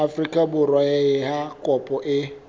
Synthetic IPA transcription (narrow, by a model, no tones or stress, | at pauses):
afɾikabʊɾɔɣeɣɪɦakɔpʊʔɪ